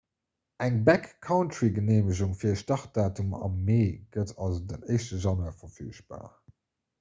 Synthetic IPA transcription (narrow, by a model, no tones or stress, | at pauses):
æŋbækkʰːaʊntɹiɡəneːməʑ̬uŋfiːɐʃtɑχt̚d̥aːtumɑ̰mːeːɡ̥ətʰɑlzodənɜɪʃtəʒɑnwɐfɐfy̰ːʃb̥a̰ː